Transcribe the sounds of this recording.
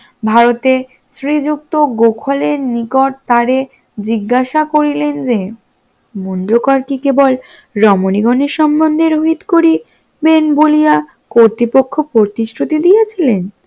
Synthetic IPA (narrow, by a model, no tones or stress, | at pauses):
bʱaɾot̪e | sɾid͡ʑuk̚t̪oɡokʰoleɾnikoʈ̚t̪aɾe | d͡ʑiɡːaʃakoɾilend͡ʑe | monɖokaɾkikebol | ɾɔmoniɡɔneɾʃɔmbond̪ʱeɾoɦit̪koɾi | benbolija | koɾt̪ɾipokʰːopɾot̪iʃʈʰɾut̪id̪ijat͡ɕʰilen